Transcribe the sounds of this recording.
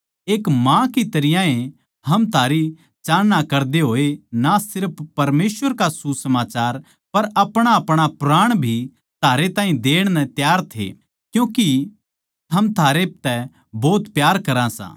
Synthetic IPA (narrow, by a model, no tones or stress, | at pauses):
eːkmãkit̪ɐɾɪjãẽ | ɦɐmt̪ʰaːɾi | t͡ʃaːɽnakɐɾd̪eɦoːenasɪɾpːɐɾmeːsʋəɾkasusɐmaːt͡ʃaːɾ | pɐɾɐpɽ̃aɐpɽ̃apɾaːɽ̃bʱi | t̪ʰaːɾet̪ãːɦĩd̪eːɽ̃nɛt̪jaːɾt̪ʰḛ | kjũːki | t̪ʰɐmt̪ʰaːɾet̪ɛ | boːt̪pjaːɾkɐɾãsã̰ː